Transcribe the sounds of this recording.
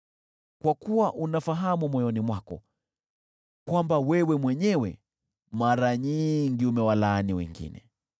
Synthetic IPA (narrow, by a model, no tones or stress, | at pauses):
kwakuwaʔunafaɦamumɔjɔnimwakɔ̰ | kwambawɛwɛmwɛɲɛwɛ | maɾaɲiŋɡiumɛwalaːniwɛ̰ŋɡḭnɛ̰